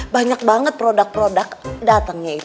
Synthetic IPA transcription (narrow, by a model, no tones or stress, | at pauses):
baɲak̚baŋət̪̚pɾodak̚pɾodakdat̪aŋɲait̪